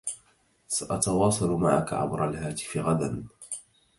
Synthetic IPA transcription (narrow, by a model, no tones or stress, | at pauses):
saʔɑt̪ɑwɑːsˤɑlma̰ʕa̰ka̰ʕa̰mɾˤalhaːt̪ɪ̥fɪɣad̪an